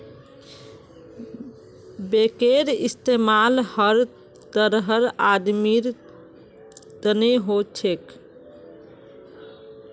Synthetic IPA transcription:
bekeɾist̪emalhəɾ | t̪əɾɦəɾad̪miɾ | t̪əneɦot͡ʃʰek

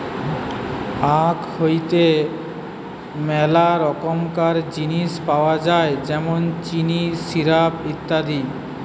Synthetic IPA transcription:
akhojt̪e | mɛlaɾɔkomkaɾd͡ʑiniʃpaoad͡ʑaed͡ʑɛmont͡ɕiniʃiɾabit̪ːad̪i

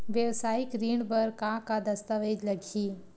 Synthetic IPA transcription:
ʋjeʋsaːɪkɾiːɳɖbəɾkakad̪ɐst̪əʋeːd͡ʒ̪lɐɡʱiː

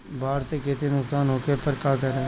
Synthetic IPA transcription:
baːɾt̪ekeːt̪inʊksaːnɦoːkepəɾkaːkəɾẽː

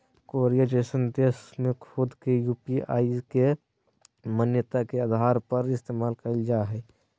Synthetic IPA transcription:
koɾijad͡ʒeːsənd̪eːsmẽkʰʊd̪kejuːpia̰ːike | mənjət̪akead̪ʱaːɾpəɾɪst̪eːmaːlkəld͡ʒaɦɛ

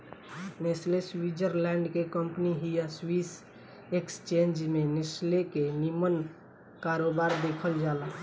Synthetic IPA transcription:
nesleswid͡ʒəɾlɛ̃ɳɖkekəmpniɦijaswis | ekst͡ʃẽnd͡ʒmenɪslekenimən | kaɾobaɾd̪ekʰəld͡ʒala

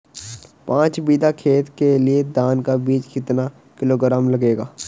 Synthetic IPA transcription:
pãːt͡ʃbiːd̪akʰeːt̪kelied̪aːnkabiːt͡ʃkɪt̪na | kɪloːɡɾaːmlɐɡeːɡaː

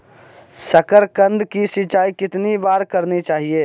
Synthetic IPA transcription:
səkəɾkə̃nd̪ʱkisɪt͡ʃaːikɪt̪nibaːɾkəɾnit͡ʃaːɦieː

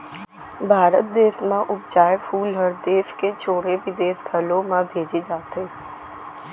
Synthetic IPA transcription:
bʱaːɾət̪̚d̪eːsmãʔʊp̚d͡ʒaːefʰuːlɦəɾd̪eːsket͡ʃʰoːɽeʋɪd̪eːsɡʰʱəlõmãbʱeːd͡ʒed͡ʒaːt̪ɦeː

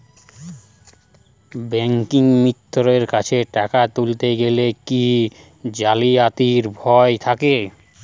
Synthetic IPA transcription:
bɛŋkiŋmit̪ːoɾeɾkat͡ɕʰeʈakat̪ult̪eɡeleki | d͡ʑaliat̪iɾbʱɔet̪ʰake

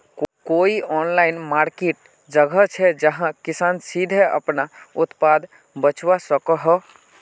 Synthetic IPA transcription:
koiɔnlaɪinmaɾkeʈ | d͡ʒəɡʱət͡ʃʰɛd͡ʒəɦãkisansid̪ʱeə̰pnaʊt̪pad̪ | bət͡ʃʰwasəkəɦə

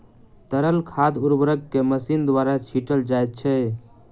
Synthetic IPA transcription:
t̪əɾəlkʰad̪uɾbɾəɡkːeməsind̪waɾat͡ʃʰiʈəld͡ʒajt̪̚t͡ʃʰɛ

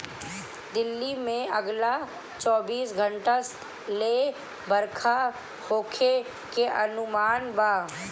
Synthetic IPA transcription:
d̪ɪlːimẽɐɡla | t͡ʃɔːbiːsɡʱəɳʈas | leː | bəɾkʰa | hoːkʰe | keʔɐnʊmaːnbaː

